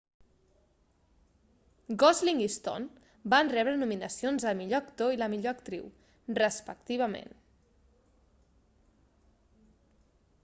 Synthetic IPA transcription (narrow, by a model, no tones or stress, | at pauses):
ɡɔzliŋist̪o̰n | banrɛβɾənuminəsionzəmiʎoəkt̪oiləmiʎoəkt̪ɾḭw | rəspək̚t̪iβ̞əmḛn